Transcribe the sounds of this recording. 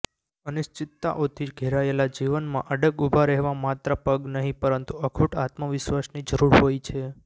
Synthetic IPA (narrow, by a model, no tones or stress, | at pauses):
ənɪʃt͡ʃɪt̪ːa̰ʔot̪ʰiɡʱeɾaelad͡ʒiʋənmã̰ʔəɖəɡubʱaɾɛɦʋãmat̪ɾəpəɡnəɦĩpəɾənt̪uəkʰuʈat̪məʋɪʃʋasnid͡ʒəɾuɾɦojt͡ʃʰe